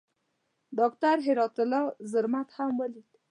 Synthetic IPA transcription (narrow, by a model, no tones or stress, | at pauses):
ɖɔk̚t̪aɾɦeɾɔt̪əlɔzəɾmat̪hamwəlit̪